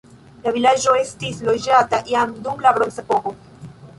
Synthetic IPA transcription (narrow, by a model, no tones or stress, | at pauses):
lavilad͡ʒo̞e̞stislo̞d͡ʒataʔiamdumlabɾonsepo̞ko̞